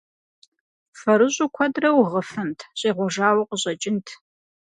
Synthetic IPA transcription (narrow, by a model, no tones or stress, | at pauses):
fɐɾɨʑʼʊkʷʰɐdrɐwʁəfɨntʰɕʼeːʁʷɔʒaːwɐqəɕʼɐt͡ʃʼɪntʰ